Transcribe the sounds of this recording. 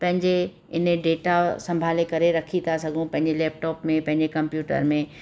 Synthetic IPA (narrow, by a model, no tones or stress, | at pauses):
pɐ̃ɦɪ̃ɲd͡ʑe | ɪnɖeːʈasɐ̃mbʱaːlekɐɾeɾɐkʰit̪ʰasɐɡʱũpɐ̃ɦɪ̃ɲd͡ʑelɛːp̚ʈɔːpmẽpɐ̃ɦɪ̃ɲd͡ʑekɐ̃mpjuːʈə̰ɾmẽ